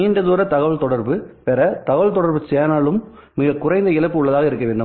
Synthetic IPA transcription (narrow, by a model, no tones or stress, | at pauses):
iːɳɖɐðuːɾɐt̪ɐɣɐʋɐɭt̪ɔɽɐɾbɯʋɛɾɐt̪ɐɣɐʋɐlt̪ɔɽɐɾbɯt͡ʃeːnaːlɯmː | ɪɣɐkʊɾɐɪnd̪ɐɪɭɐpːɯʊɭːɐðaːɣɐɪɾɯkːɐʋeːɳɖɯ